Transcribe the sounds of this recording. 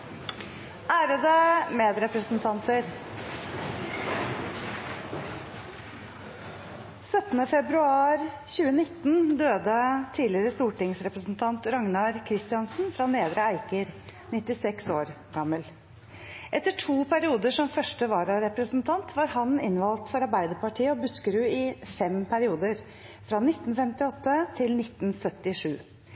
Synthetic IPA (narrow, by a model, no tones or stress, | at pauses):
æːɾəd̪əmeːd̪ɾɛpɾəsnt̪ʰɑnt̪əɾ | sœt̪nəfɛbɾʉɑːɾ | çʉːənɪt̪ːnd̪øːd̪ət̪ʰiːlɪɾəst̪uːʈɪŋsɾɛpɾəsn̩t̪ʰɑnt̪ɾɑŋnɑɾkʰɾɪst̪ɪɑnsn̩fɾɑneːd̪ɾəæɪkəɾnɪt̪ːɪsɛksoːɾ | ɡɑmːəl | ʔɛt̪ːəʈʰuːpʰæɾɪuːd̪əʂɔmfœʂʈəʋɑːɾɑɾɛpɾəsnt̪ʰɑnt̪ʰʋɑːɾhɑnɪnʋɑlt̪fɔɾɑɾbæɪd̪əpɑʈʰiːəɔbʉskəɾʉːɪfɛmpʰæɾɪuːd̪əɾ | fɾɑnɪt̪ːn̩fɛmt̪ɪɔt̪ːət̪ʰɪlnɪt̪ːnsœt̪ːɪʂʉː